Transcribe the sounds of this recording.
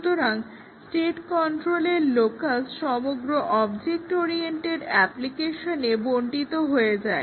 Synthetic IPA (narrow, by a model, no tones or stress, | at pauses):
t̪oɾaŋ | sʈeʈkɔɳʈɾoleɾlokasʈʃɔmoɡɾoʔɔbd͡ʑek̚ʈoɾieɳʈeɖɛplikeʃoneboɳʈit̪oɦoed͡ʑae